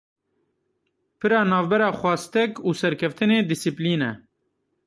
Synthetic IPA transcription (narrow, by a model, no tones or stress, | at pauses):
pɨɾɑːnɑːvbɛɾɑːxʷɑːst̪ɛkuːsɛɾkʰɛft̪ɨneːd̪ɪsipliːnɛ̰